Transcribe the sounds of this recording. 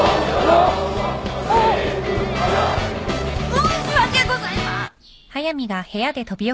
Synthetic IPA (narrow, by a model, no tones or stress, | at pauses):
osiakeɡozaima | hajamiɡahe̞jad̪e̞t̪ʌbijo